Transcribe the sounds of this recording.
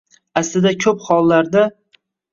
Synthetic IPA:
aslɪd̪akʲʰɵphɒlˠːaɾd̪a

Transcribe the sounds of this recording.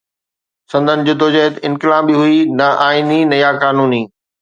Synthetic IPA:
sɐ̃nd̪ʱənɪ̆d͡ʑod̪ʱod͡ʑəɦt̪ɪ̃nkɪlaːbiɦʊinɐʔaːininɐjakaːnuːniː

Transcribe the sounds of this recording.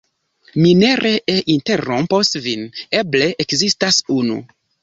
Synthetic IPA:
mineɾʔeʔeʔinteɾomposvinebleʔekzistasunṵ

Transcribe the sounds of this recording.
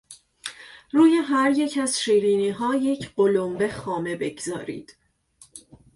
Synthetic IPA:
ruːjeɦæɾje̞cʰæz̥ʃiːɾiːniːɦɒːje̞cʰɢolombexɒːme̞be̞ɡzɒ̰ːɾḭːd̪̥

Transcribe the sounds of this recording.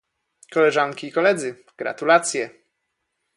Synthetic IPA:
kɔlɛʐaŋkʲiːkɔlɛd̪zɘ | ɡ̥ɾa̰t̪ulat̪sʲjɛ

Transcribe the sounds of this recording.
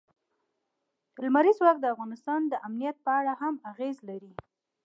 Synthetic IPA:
lmaɾizwɑk̚d̪əafɣɑnɪst̪ɑnd̪əʔamnijat̪̚pəaɽahamaɣezlaɾi

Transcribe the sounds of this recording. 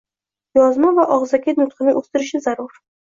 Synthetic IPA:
jɒzmɑvaʔɒʁzakʲat̪nʊt̪qɨnɪŋost̪ɪɾɪʃɪzaɾʊɾ

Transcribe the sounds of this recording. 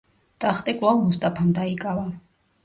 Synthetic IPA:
t̪ʼaχt̪ʼikʼulˠavmust̪ʼapʰamd̪aikʼava

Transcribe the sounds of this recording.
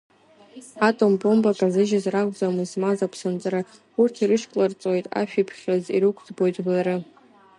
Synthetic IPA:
atʼombʼo̞mbʼakʼazɨʒazrakʷʼd͡zamɨzmazapʰsɨnt͡sʼaɾa | urtʰiɾɨʃkʼlart͡sʼojtʼa̰ʃᶣipʰχʲaziɾɨkʷʰd͡zbo̞jtʼblaɾɨ

